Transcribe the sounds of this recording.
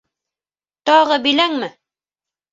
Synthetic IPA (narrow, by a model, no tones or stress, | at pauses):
t̪ɑʁɤbĭlæŋmɘ